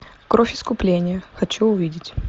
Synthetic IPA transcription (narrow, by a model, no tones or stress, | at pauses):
kɾofʲɪ̥skʊplʲenʲɪjəxɐt͡ɕuʊvʲidʲɪtʲ